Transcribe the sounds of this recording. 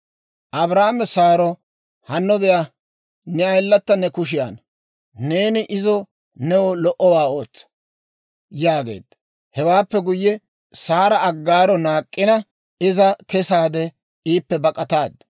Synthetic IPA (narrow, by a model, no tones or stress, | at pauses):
ʔɐbɾaːmɛsaːɾɔ | hɐnːɔbɛja | nɛɐjlːɐt̪ːɐnɛkʊʃ̬ɪja̰n | ne̞ːnɪʔɪzɔ | nɛwɔlɔʔɔwaːo̞ːt͡sːɐ̥ | jaːɡe̞̰ːd̪̥ | hɛwaːpːɛɡʊjːɛ | saːɾɐɐɡːaːɾɔnaːkʼːɪnɐ | ɪzɐkɛsaːd̪ɛ | iːpːɛbɐkʼɐt̪aːd̪